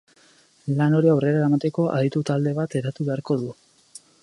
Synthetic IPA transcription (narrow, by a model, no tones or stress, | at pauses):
lano̞ɾiawre̞ɾaamat̪e̞ko̞ʔa̰ðit̪ut̪ald̪e̞β̞at̪e̞ɾat̪uβe̞aɾko̞ðu